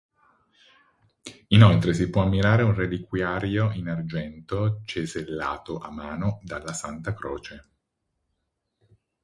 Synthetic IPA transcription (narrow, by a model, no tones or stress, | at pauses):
inolt̪ɾes̬ipwɔamːiɾaːɾeunrelikwjaːɾjoinard͡ʒɛnt̪ot͡ʃezelːa̰ːt̪oʔamːaːnod̪alːasant̪akɾoːt͡ʃe